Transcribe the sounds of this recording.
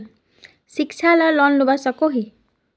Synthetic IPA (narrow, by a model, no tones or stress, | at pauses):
sik̚t͡ʃʰalʌlʌnlubʌsʌkoɦi